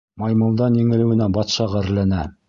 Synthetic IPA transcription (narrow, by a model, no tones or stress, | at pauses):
mɑjmɤ̆lˠd̪ɑnjɘ̆ŋɘ̆lɘ̆wɘ̆næbɑt̪ʃɑʁæɘ̆ɾlænæ